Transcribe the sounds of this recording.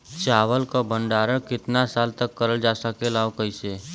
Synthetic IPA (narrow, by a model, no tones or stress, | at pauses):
t͡ʃaːʋəlkabʱəɳɖaːɾəkɪt̪nasaːlt̪əkːəɾəld͡ʒasəkelaːʋkəise